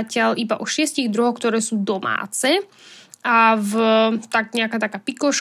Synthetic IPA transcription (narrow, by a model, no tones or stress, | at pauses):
acɪalʔibaʔɔʃɪɛsciɣd̪ɾuɦɔxk̚t̪ɔɾɛːsuːd̪ɔma̰ːt͡sɛ | ʔavt̪aɡɲɛakaːt̪akaːpikɔʃ